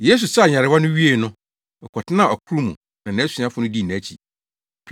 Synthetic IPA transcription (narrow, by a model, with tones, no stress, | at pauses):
je˦s̬u˨sa˦˨ɲã˨ɾɪ˨˦wa˦nʊ̃˦ɥi˦e˨nʊ̃˦ | ɛ˨kʰɔ˨tʰɪ˦nã˦˨ɔ˨kʰu˦ɾu˦mṵ̃˨ | nã˨nã˨˦su˨˦ã˦fʊ˦nʊ̃˦di˦˨nã˨˦t͡ɕʰḭ˨